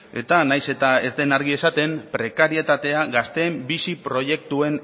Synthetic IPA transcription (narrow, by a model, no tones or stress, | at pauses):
e̞t̪anajse̞t̪ae̞zd̪e̞naɾɣie̞sat̪e̞mpɾe̞kaɾie̞t̪at̪e̞aɣast̪e̞ːmbisipɾo̞je̞k̚t̪ue̞n